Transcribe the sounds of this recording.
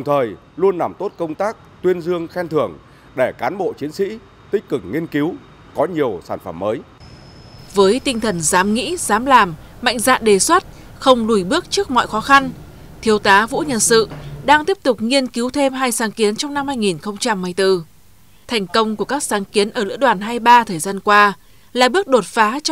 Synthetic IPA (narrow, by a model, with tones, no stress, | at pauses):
ɗə˨˩wŋ͡mt̪ʰəː˨˩j | lu˧ənːa˨˩mt̪o˦˥t̚kə˧wŋ͡mt̪aː˦˥k̚t̪wi˧ənzɨ˧əŋxɛ˧nt̪ʰɨ˧˩əŋ | ɗe˧˩kaː˨˦nɓo̰˧˨t͡ɕi˨˦ənsḭ˧˥ | t̪ï˥k̟̚kɨ˨˩k̚ŋi˧ənki˨˦w | kɔ˨˦ɲi˨˩əwsaː˧˩nfə̰˧˩mːəː˨˦j | vəː˨˦jt̪ï˧ŋ̟t̪ʰə˨˩nzaː˨˦mŋḭ˧˥zaː˨˦mlaː˨˩mː | ma̰˧˨jŋ̟za̰ː˧˨nɗe˨˩swə˦˥t̚ | xə˧wŋ͡mlu˧˩jɓɨ˦˥ək̚t͡ɕɨ˦˥ək̚mɔ̰˧˨jxɔ˨˦xa˧n | t̪ʰi˨˦əwt̪aː˨˦vṵ˧˥ɲə̰˧˨nsɨ̰˧˨ɗaː˧ŋt̪i˦˥əp̚t̪ʊ˨˩k͡p̚ŋi˧ənki˨˦wt̪ʰe˧mɦaː˧jsaː˨˦ŋki˨˦ənt͡ɕɔ˧wŋ͡mna˧mhaː˧jŋi˨˩nxə˧wŋ͡mt͡ɕa˧mːɨ˧˩jt̪ɨ˧ | t̪ʰɛ˨˩jŋ̟kə˧wŋ͡mku˧˩əkaː˦˥k̚saː˨˦ŋki˨˦ənʔəː˧˩lɨ̰˧˥əɗwaː˨˩nɦaː˧jɓaː˧t̪ʰəː˨˩jzaː˧nkwaː˧ | laː˨˩ɓɨ˦˥ək̚ɗo˨˩t̚faː˨˦